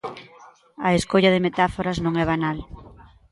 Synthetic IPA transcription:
ɐeskoʎɐðɪmet̪afoɾɐznõŋɛβanal

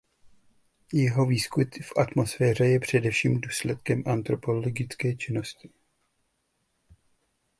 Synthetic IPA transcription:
jɛɦo̞viːskut̪fʔat̪mo̞sfɛːr̝ɛjɛpr̝̥ɛdɛfʃiːmduːslɛt̪̚kɛmʔant̪ɾo̞po̞lloɡɪt͡skɛːt͡ʃɪno̞scɪ̥

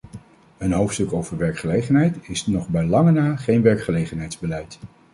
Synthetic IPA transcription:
ənɦowftstɵkowvəɹʋɛɹkχəlejχənɦɛjtɪsnɔχbɛjlɑŋənaːχejnʋɛɹkχəlejχənɦɛjdzbəlɛjt

